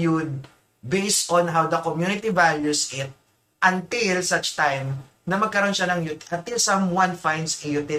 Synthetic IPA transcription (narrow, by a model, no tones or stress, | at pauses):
jud̪̚ | bejst̪ʔɔ̃nɦawd̪ɐkomjunɪt̪ivaljusʔɪt̪̚ | ʔɐ̃nt̪ɪlsɐt͡ʃt̪ajm | nɐmɐɡ̚kɐɾo̞nʃanɐŋjut̪ɐnt̪ɪlsɐ̃mwɐ̃nfãjnd̪sijut̪ɪ